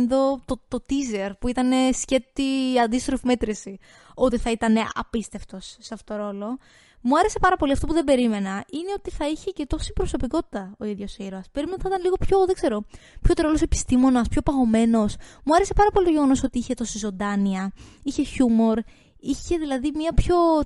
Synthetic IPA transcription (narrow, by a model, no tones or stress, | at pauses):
nðo̞t̪ot̪ot̪ize̞ɾpuit̪ɐne̞sce̞t̪iɐnd̪ist̪ɾofime̞t̪ɾisi | o̞t̪iθɐit̪ɐne̞ɐ̰pist̪e̞ft̪o̞sːeɐft̪ot̪oɾo̞lo̞ | muɐɾe̞se̞pɐɾɐpo̞liɐft̪opuðebe̞ɾime̞nɐʔine̞o̞t̪iθɐiçe̞ce̞t̪o̞si̥bɾoso̞piko̞t̪i̥t̪ɐo̞iðʝo̞siɾoɐsbe̞ɾimenɐot̪iθit̪ɐnliɣo̞pço̞ðeɡze̞ɾo̞pço̞t̪ɾolose̞pi̥st̪imo̞nɐspço̞pɐɣo̞me̞no̞smuɐɾese̞pɐɾɐpo̞lit̪oʝe̞ɣo̞no̞so̞t̪iiçe̞t̪o̞sizo̞d̪ɐniɐiçe̞çumo̞ɾ | içe̞ðilɐðimiɐpço̞